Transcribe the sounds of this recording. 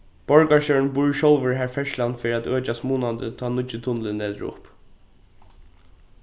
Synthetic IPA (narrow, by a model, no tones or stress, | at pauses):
b̥ɔɹkaɹʃœnbuɹʃɔwlʋɪɹɦæːɹfɛʃlanfeːɾiat̪øːt͡ʃast̪muːnand̪ət̪ʰɑːnʊt͡ʃːɪt̪ʰʊnlɪnːɛːt̪əɹʊ̰p